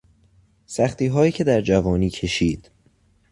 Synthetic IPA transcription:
sæxt̪iːɦɒːjiːcʰe̞d̪æɾd͡ʒævɒːniːcʰe̞ʃiːd̪̥

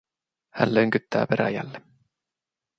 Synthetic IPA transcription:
hænløŋkyt̪ːæːpeɾæ̰jæ̰lːe

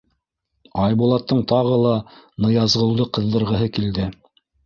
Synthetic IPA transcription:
ɑjbulˠɑt̪ːɤɴt̪ɑʁɤlˠɑnɤ̆jɑzʁɤ̆w̪ˠd̪ɤqɤ̆ðːɤ̆ɾʁɤ̆ɦɤkild̪ɘ

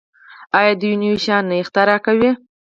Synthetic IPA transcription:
ɑjɑd̪əjuniwiʃɑnːext̪aɾɑkawi

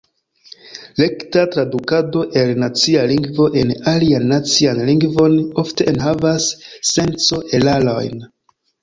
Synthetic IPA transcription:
le̞ktatɾadukado̞ʔe̞lnat͡sialiŋɡvo̞ʔe̞nalianːat͡sianliŋɡvo̞no̞fte̞ʔenɦavasːe̞nt͡so̞ʔelalo̞̰jn

